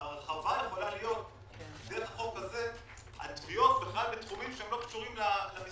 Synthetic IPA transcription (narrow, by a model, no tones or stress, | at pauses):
aʁeχavajeχo̞lalijo̞t̚ | d̪eeχaχo̞kːaze̞ | ha̰t̪vijo̞tbeχlalbetχumimʃeemlo̞kʃuʁimlalami